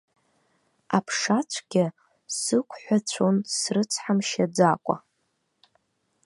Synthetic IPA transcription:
apʰʂat͡ɕʷʰɡʲɪ | sɨkʷʰħʷat͡ɕʷʰonsrɨt͡sʰħamʃad͡zakʷʼa̰

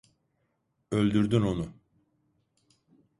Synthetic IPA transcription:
ø̞lʲd̪yɾd̪yno̞nu

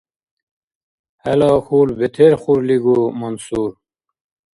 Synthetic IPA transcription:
hɐlɑːkʰuːlbet̪ʰeɾχuɾliɡumunsuːɾ

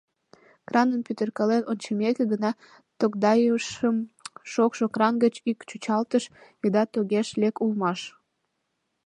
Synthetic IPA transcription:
krɑnənpʲyt̪ərkɑlenonʲt͡ɕəmekeɡənɑ | t̪okd̪ɑjuʃəmʃokʃokrɑnɡət͡ɕikt͡ɕut͡ɕɑlt̪əʃid̪ɑt̪oɣeʃlekulmɑʃ

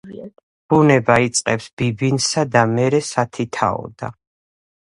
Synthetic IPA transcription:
b̥unɛbait̪sʼqʼɛpsbibinsad̪amɛɾɛsat̪ʰit̪ʰa̰ɔ̰d̪a̰

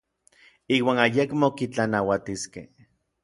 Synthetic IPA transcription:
iːwaːnajekmokit͡ɬanawat̪iskḛh

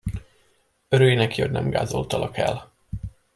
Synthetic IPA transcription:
øɾøːjinɛkiodʲnɛmɡa̰ːzo̞lt̪ɒlʔɒkɛl

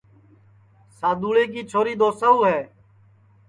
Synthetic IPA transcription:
saːd̪uːɭeːk̬iːt͡ʃʰoːɾiːd̪oːsəuːɦɛː

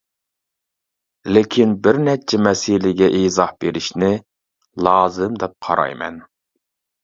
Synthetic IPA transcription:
lɪkʲʰinbɪɾnɛt͡ʃʰɛmɛsilɪɡʲɛʔizɑhbeɾɪʃnɪ | lˠɑːzɨmd̪ɛp̚qʰɑ̰ɾɑ̰jmɛ̰n

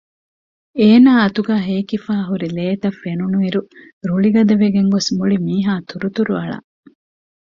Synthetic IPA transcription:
eːnaːɐt̪uɡæːɦeːkifaːɦuɾileːt̪ɐfːenunuiɾu | ɾuɭiɡɐd̪ɐʋeɡeŋɡosmuɭimiːɦaːt̪uɾut̪uɾuɐ̰ɭɐ̰

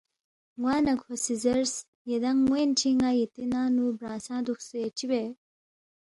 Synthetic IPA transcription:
ŋwaːnɐkʰosizɐɾs | jed̪ɐŋːwent͡ɕʰiŋajit̪inaːnubɾãːsãːd̪uxsuet͡ɕibe

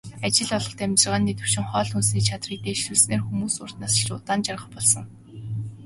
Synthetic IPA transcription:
at͡ɕɪ̆ɮɔɮɞ̆χt̪ʰæmʲt͡ɕə̆ʁaːnːet̪ɘ̆w̥ʃɪ̆ŋχɔːɮxunsniːt͡ɕʰat̪rit̪eːʃɮuːɮsneːrxumuːsʊr̥t̪naːsʰʃʊːt̪aːnt͡ɕarʁə̆χpɔɮsɞ̆ŋ

